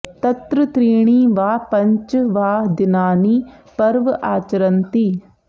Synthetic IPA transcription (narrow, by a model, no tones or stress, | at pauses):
t̪ət̪ɾət̪ɾiːɽ̃iːʋaːpəɲt͡ʃʋaːd̪ɪnaːniːpəɾʋʔaːt͡ʃɾənt̪iː